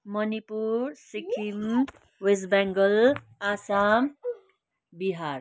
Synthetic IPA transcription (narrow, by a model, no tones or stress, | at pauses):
mʌnipuɾsikʰim | wesbaŋɡʌl | asam | biɦaɾ